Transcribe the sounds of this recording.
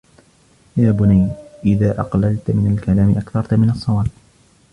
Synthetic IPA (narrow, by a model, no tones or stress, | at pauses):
jaːbʊnajʔɪðaːʔɑ̰qlalt̪mɪnalkalaːmɪʔakθɑɾˤt̪mɪnɑsˤːɑwaːb̚